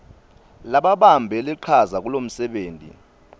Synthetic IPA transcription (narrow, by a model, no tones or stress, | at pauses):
laɓaɓambʱɛliǃʰazak̬ulom̩sɛɓeːntʼḭ